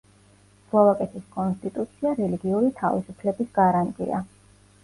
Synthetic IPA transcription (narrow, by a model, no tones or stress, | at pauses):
z̥vavakʼɛt̪ʰiskʼɔnst̪ʼit̪ʼut̪sʰiaɾɛliɡiuɾit̪ʰavisupʰlɛbisɡ̥aɾant̪ʼḭa̰